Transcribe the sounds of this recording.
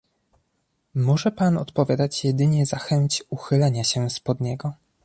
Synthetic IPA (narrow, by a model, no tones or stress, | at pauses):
mɔʐɛpanɔ̰t̪pɔvʲjad̪at͡ɕjɛd̪ɘɲɛzaxɛɲt͡ɕuxɘlɛɲaɕɛspɔd̪ɲɛɡɔ